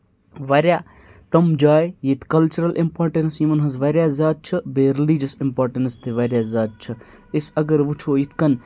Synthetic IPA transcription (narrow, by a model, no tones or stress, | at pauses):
ʋɐɾʲjaː | t̪ɐmd͡ʒaːjjit̪ʰkɐlt͡ʃuɾɐlʔimpaːɾʈensjimɐnɦɐzʋɐɾʲjaːzaːd̪̚t͡ʃʰɐbeɾilid͡ʒɐsimpaːɾʈɐnst̪ʰiʋɐɾʲjaːzaːd̪̚t͡ʃʰɐisɐɡəɾʋut͡ʃʰoːjit̪ʰkɐn